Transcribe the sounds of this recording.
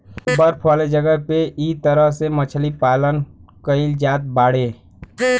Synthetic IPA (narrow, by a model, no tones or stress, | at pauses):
bəɾpʰʋaːled͡ʒəɡəɦpeʔiːt̪əɾəɦsemət͡ʃʰlipaːlənkəɪld͡ʒaːt̪̚baːɽeː